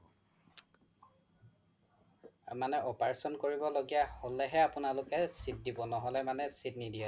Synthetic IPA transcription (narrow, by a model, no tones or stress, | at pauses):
manɛʔɔpaɹsɔnkoɹibɔloɡijaholːɛɦɛapʊnalʊkɛsit̚dibɔnɔɦɔlɛmanɛsitnidiɛ